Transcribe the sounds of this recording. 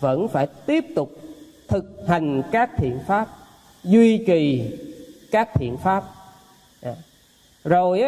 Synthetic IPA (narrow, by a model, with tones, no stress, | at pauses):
və̰˧˥nfaː˧˩jt̪i˦˥əp̚t̪ʊ˨˩k͡p̚ | t̪ʰɨ˨˩k̚ha˨˩jŋ̟kaː˦˥k̚t̪ʰḭ˧˨ənfaː˦˥p̚ | zwi˧ki˨˩ | kaː˦˥k̚t̪ʰḭ˧˨ənfaː˦˥p̚ | a˧˩ | zo˨˩jʔ